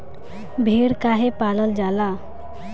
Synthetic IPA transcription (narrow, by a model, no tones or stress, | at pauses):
bʱeɾkaɦepaːləld͡ʒaːla